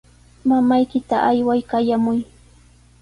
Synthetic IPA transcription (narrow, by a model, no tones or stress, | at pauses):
mamajkɪt̪aʔajwajkajamʊj